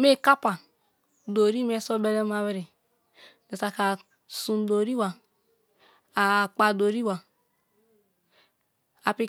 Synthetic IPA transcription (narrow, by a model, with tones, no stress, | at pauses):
me˦˨ka˦pa˨ | do˨ɾi˦me˦so˦be˦le˦ma˦we˦ɾi˨ | de˨ta˨ka˨ | sũ˨n˦do˨ɾi˦wa˨ | a˨k͡pa˨do˨ɾi˦wa˨ | a˨pi˦